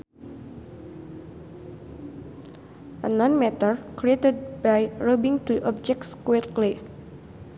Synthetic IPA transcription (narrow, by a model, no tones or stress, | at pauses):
ʔə̰nɔ̃nmɛt̪ərkɾiet̪əd̚bajɹobiŋt̪uʔɔp̚d͡ʒɛk̚tskɛt̪̚kle